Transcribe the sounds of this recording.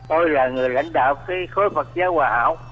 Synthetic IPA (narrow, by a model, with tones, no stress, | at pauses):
t̪o˧jlaː˨˩ŋɨ˨˩əjla̰˧˥jŋ̟ɗa̰ː˧˨wkaː˨˦jxo˨˦jfə˨˩t̚zaː˨˧˦waː˨˩ha̰ː˧˨w